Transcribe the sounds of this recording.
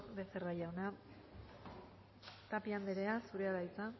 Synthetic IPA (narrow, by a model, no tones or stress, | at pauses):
be̞serajawna | t̪apiamd̪eɾe̞asuɾe̞aɾajt͡sa